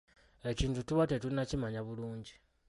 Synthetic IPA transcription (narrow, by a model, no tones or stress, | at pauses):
eciːntutuβatetulinacimaɲaβuluːɲɟi